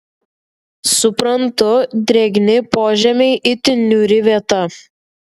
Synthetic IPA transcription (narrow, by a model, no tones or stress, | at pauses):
sʊpɾɐnt̪ʊd̪ʲɾʲɛɡʲnʲɪpoːʒʲɛmʲɛɪʔɪt̪ʲɪnʲːuːɾʲɪʋʲiɛt̪ɐ